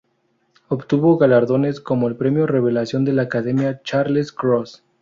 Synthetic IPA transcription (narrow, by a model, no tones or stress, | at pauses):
opt̪uβo̞ɣalaɾðo̞ne̞sko̞mo̞elpɾe̞mjore̞βe̞lasjond̪e̞laːkaðe̞mjat͡ʃaɾleskɾos